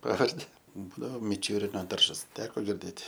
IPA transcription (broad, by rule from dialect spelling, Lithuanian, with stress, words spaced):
ˈpɑːʋɐrʲdʲɪ ˈbuːdɐʋoː mʲɪˈt͡ʃʲuːrʲɪnoː ˈdɐrʒɐs ˈtʲæːkoː ɡʲɪrʲˈdʲeːtʲ